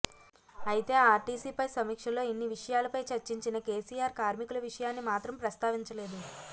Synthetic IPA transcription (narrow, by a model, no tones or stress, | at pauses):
ɐjit̪e̞ːaːʈiːsiːpɐjsɐmiːkʂɐlo̞ːinːiʋiʂɐjaːlɐpɐjt͡ʃɐɾt͡ʃiɲt͡ʃinɐke̞ːsiːjaːɾkaːɾmikulɐʋiʂɐjaːnːimaːt̪ɾɐmpɾɐst̪aːʋiɲt͡ʃɐle̞ːd̪u